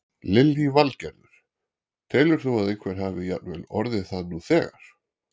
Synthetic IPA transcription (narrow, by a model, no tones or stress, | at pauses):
lɪlːivalcɛɾðʏɾ̥ | t̪ʰɛːlʏɾ̥θuaðejkʰvɛɾ̥ɦaːvɪja̰t̪nvɛlɔɾðɪθaðnuθɛːɣa̰ɾ̥